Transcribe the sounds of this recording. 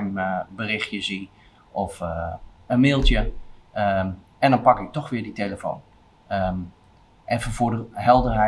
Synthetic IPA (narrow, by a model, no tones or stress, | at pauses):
mbərɪxjəsi | ɔf | ənmɪːlˠtjə | ɛndɔnpakɪk̚tɔxʋɪəditeləfo̰ːn | ə | ʔɛfənfʊdəɦɛlˠdərɦɛ